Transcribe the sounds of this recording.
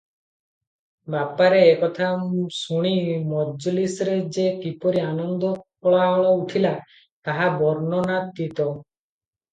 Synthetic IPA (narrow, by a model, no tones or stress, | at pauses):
bapaɾeːkɔt̪ʰasuɽ̃imɔd͡ʒɔlisɾed͡ʒekipɔɾianɔnd̪ɔkɔɭaɦɔɭɔuʈʰila | t̪aɦabɔɾnɔnat̪̚ːit̪ɔ